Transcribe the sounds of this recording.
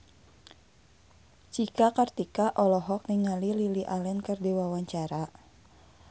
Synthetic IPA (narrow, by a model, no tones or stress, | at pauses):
t͡ʃikakart̪ikaʔɔlɔɦɔk̚niŋalililiʔalɛnkərdiwawaɲt͡ʃaɾa